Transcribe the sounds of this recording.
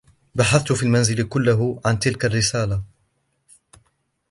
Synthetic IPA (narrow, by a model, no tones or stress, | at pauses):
baħaθt̪ʊfiːlmanzɪlkʊlːaɦʕant̪ɪlkarːɪsaːla